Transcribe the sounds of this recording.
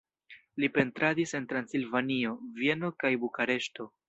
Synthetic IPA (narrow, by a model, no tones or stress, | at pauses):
lipe̞ntɾadise̞ntɾansilvanio̞vie̞no̞kajbukaɾe̞ʃto